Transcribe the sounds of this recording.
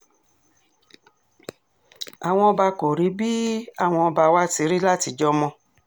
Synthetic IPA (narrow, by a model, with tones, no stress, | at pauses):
a˨w̃ɔ̃˧ɔ˧ba˧ko˨ɾi˨˦bi˦a˦˨w̃ɔ̃˧ɔ˧ba˧wa˦ti˧˦ɾi˦la˦ti˧d͡ʒɔ˦mɔ̃˧